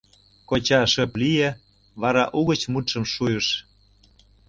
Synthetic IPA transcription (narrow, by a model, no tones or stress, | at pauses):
kot͡ɕɑʃə̆plije | βɑɾɑʔuɣə̆t͡ɕmut̪ʃə̆mʃujəʃ